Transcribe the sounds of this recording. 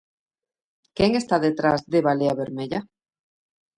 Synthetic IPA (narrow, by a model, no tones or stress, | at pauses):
keŋest̪aðet̪ɾazðeβaleaβeɾmeʎa